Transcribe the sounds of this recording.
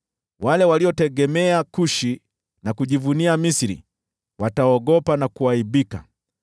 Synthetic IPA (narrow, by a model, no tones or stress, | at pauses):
walɛwaliɔtɛɡɛmɛakuʃi | nakuʄivuniamisiɾḭ | wataɔɡɔpanakuaiɓika̰